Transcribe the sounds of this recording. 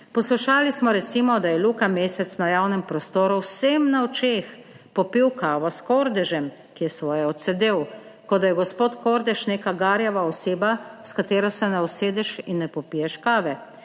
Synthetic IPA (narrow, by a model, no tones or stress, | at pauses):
pɔsluʃaːlismɔɾɛt̪simɔd̪ajɛluːkameːsɛt̪snajaːwnɛmpɾɔst̪oːɾuwsɛmnaoɔt͡ʃeːx | pɔpiwkaːʋɔskɔɾd̪ɛʒɛm | kijɛsʋɔːjɛɔt̪sɛd̪eːw | kɔd̪ajɛɡɔspoːt̪koɾd̪ɛʃneːkaɡaːɾjɛʋaɔseːbaskat̪eːɾɔsɛnɛɔseːd̪ɛʃinːɛpɔpijɛʃkaːʋɛ